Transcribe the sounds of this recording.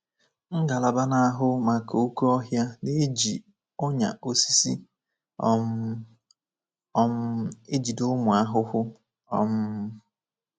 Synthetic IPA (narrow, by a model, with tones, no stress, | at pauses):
ŋ̩˦ɡa˨la˨ba˦na˦a˦ɦʊ˦ma˨ka˨o˦ku˦ɔ˦ɦja˦ne˦d͡ʒi˨ | ʊ˦ɲa̰˨o˦si̥˦si˦ | m˦e˦d͡ʒi˨dʊ˦mʊ˨a˦ɦʊ˦hʊ˦ | ɔ˦mʊ˦